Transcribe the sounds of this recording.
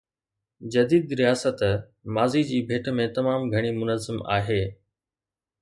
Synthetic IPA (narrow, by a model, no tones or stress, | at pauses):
d͡ʑɐd̪iːd̪ɾijaːsət̪ | maːzid͡ʑiːbʱeːʈʰmẽt̪ɐmaːmɡʱɐɽ̃imʊnəzːəma̰ːɦeː